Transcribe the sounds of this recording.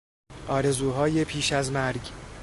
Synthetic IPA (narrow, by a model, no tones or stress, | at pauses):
ʔɒːɾe̞zuːɦɒːje̞pʰiːʃæzmæɾɟ